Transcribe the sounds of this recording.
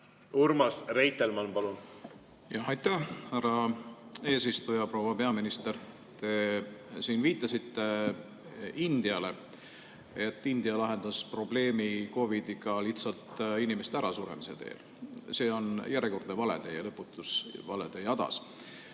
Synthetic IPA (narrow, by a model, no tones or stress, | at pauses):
uɾmɑsrejt̪ːelmɑnpɑlun | jɑhɑjt̪ːæhhærɑ | e̞ːsist̪ujɑpro̞wɑpe̞ɑminist̪er | t̪e̞siːnviːt̪ˑːɑsit̪ːe̞ | ind̪̥iɑle̞ | et̪ːˑind̪̥iɑlɑɦe̞nd̪̥ɑspro̞ble̞ːmiko̞vid̪iɡɑliht̪sɑlt̪inimest̪eæɾɑsuɾe̞̰mise̞t̪e̞̰ːl | se̞ːo̞njæɾeko̞rd̪evɑlḛd̪̥ejlɤpːut̪ːˑusvɑ̰lḛd̪̥e̞jɑd̪ɑ̰s